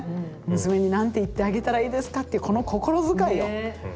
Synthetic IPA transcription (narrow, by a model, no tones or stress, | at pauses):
mɯ̟sɨme̞ɲ̟inãnt̪eit̪ːe̞aɡe̞t̪aɾaiːd̪e̞sɨ̥kat̪ːeɯ̟ko̞no̞ko̞ko̞ɾo̞zɨkaijo